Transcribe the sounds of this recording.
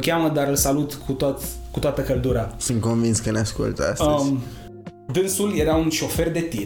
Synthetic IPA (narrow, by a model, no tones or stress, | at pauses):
kʲaməd̪aɾɨlsalut̪kʰut̪at̪kut̪oat̪əkəld̪uɾasɨnt̪̚konvinskəneaskṵlt̪a̰səz | d̪ɨnsulje̞ɾaunʃo̞fe̞rd̪e̞t̪i